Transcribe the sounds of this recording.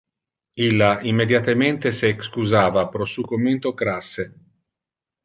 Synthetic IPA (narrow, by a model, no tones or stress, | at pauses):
ilːaimːed̪jat̪ement̪eseːkskuzaːvapɾɔsuːkomːent̪okɾasːe